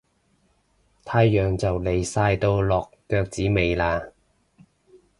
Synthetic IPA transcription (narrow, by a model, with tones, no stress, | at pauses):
t̪ʰaː˧jːœː˨ŋt͡sɐ˨wle˨˧jsaː˧jt̪o˧wlɔː˨kːœː˧k̚t͡siː˨˥me˨jlaː˧